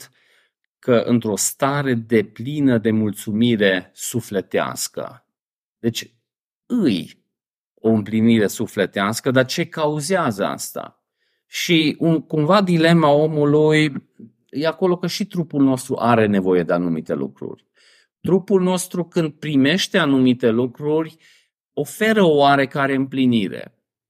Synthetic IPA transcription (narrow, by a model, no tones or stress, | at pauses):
t̪ | kəʔɨ̰nt̪ɾo̞st̪aɾe̞d̪e̞plinəd̪e̞mult̪sumiɾe̞sufle̞t̪ea̰skə̰ | d̪e̞t͡ʃʲ | ɨj | o̞ɨmpliniɾe̞sufle̞t̪easkəd̪art͡ʃe̞kauzeazəa̰st̪a̰ | ʃiunkumvad̪ile̞mao̞muluj | jeako̞lo̞kəʃit̪ɾupulno̞st̪ɾṵʔaɾe̞ne̞vo̞je̞d̪e̞anumit̪e̞̰lṵkɾṵrʲ | t̪ɾupulno̞st̪ɾukɨnd̪̚pɾime̞ʃt̪e̞anumit̪e̞lukɾurʲ | o̞fe̞ɾəo̞waɾe̞kaɾe̞ɨmpliniɾḛ